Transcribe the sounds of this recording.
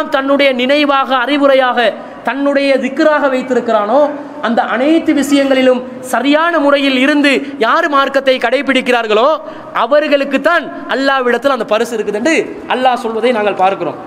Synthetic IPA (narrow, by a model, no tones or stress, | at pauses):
mt̪ɐnːɯɽɐjɐnɪnɐɪʋaːɣɐːrɪʋɯɾɐjaːɣɐ | t̪ɐnːɯɽɐjɐðɪkːɯɾaːɣɐʋɐɪt̪ːɪɾɯkːɪɾaːnoː | ɐnd̪ɐʔɐnɐɪt̪ːɯʋɪʂɐjɐŋɡɐɭɪlɯm | sɐɾɪjaːnɐmʊrɐjɪlɪɾɯnd̪ɯjaːɾɯmaːɾkɐt̪ːɐɪkɐɽɐɪp̬ːɪɽɪkːɪɾaːɾɣɐɭoː | ʔɐʋɐɾɣɐɭɯkːɯt̪ːaːn | ʔɐlːaːʋɪɽɐt̪ːɪlɐnd̪ɐpɐɾɯsɪɾɯkːɯðɛɳdrɯ | ʔɐlːaːsɔlʋɐðɐɪnaːŋɡɐɭpaːɾkɪro̰ːm